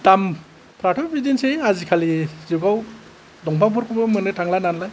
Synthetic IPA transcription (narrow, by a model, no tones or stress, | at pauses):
tam | pʰɾatʰɔbidinseazikʰaliziɡaw | dɔŋpʰaŋbʰɔɾkʰɔbɯmɯnɯtʰaŋlananlaj